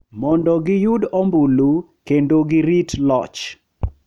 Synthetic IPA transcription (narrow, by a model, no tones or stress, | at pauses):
mɔndɔɡɪjʊdɔmbulu | kendoɡɪɾitlɔ̰t͡ʃ